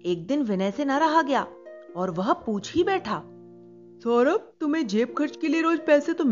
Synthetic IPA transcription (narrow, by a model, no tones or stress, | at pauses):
eːk̚d̪ɪnʋɪnɛːsenɐɾɐɦaɡɐjaːɔːɾʋɐɦpuːt͡ʃʰɦibɛːʈʰaː | sɔːɾəp̚t̪ʊmẽd͡ʒeːpkʰɐɾt͡ʃkelieɾoːd͡ʒpɛːset̪om